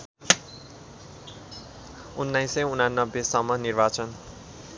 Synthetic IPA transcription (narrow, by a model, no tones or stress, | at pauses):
unːajseunanːʌbːesʌmːʌnirbat͡sʌn